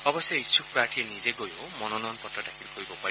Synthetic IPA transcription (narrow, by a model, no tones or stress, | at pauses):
ɔbɔseisuk̚pɹaɹʈʰiɛnizeɡojo | mɔnɔnɔnpɔtɹɔdakʰilkʰoɹibɔpai